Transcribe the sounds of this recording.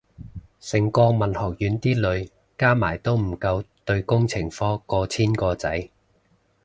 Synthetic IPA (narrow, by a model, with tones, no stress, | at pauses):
sɪ˨˩ŋkɔː˧mɐ˨˩nhɔː˨˩k̚jyː˨˧nt̪iː˥lɵ˨˧ɥ | kaː˥maː˨˩jt̪o˥wm̩˨˩kɐ˧wt̪ɵ˧ɥkʊ˥ŋt͡sʰɪ˨˩ŋfɔː˥kɔː˧t͡sʰiː˥nkɔː˧t͡sɐ˨˥j